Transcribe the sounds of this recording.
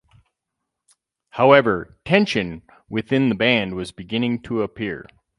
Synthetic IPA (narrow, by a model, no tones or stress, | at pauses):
haʊɛvə˞tʰɛ̃nʃɨ̃n | wɨθɪ̃nðɨbæ̃nd̚wʌzbɨɡɪ̃nɪ̃ŋtʰəəpʰɪɹ